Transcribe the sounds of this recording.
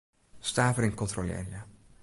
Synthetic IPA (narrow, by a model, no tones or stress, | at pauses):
staːvəɾɪŋkɔntrolɛ̰ːria